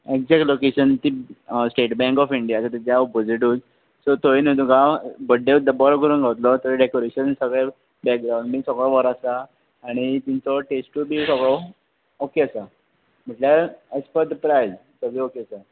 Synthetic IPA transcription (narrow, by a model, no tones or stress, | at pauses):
ekd͡zɛkʈlokeɕənt̪isʈeʈbɛ̃ŋkɔfiɳɖijat͡sat̪ed͡ʑjaubəd͡ziʈuːd͡z | sɔt̪oinəd̪uɡabəɖeʋd̪əbɔɾɡʱəɾuːnɡʱaʋət̪lɔt̪əɾɖekoɾeɕənsəɡɭe | bɛk̚ɡɾaw̃ɳɖbiːsəɡɭɔʋɔɾasaː | ɽ̃it̪it͡sɔʈesʈubʱisəɡɭɔ | okeəsa | m̤əʈljaespəd̪pɾajd͡z | səɡiokeasa